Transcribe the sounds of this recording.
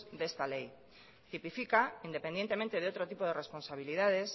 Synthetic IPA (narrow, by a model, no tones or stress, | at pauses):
ðest̪alej | t̪ipifikaind̪epe̞nje̞nt̪e̞mẽnt̪eðot̪ɾot̪ipoð̞erespõ̞nsaβ̞iliðað̞es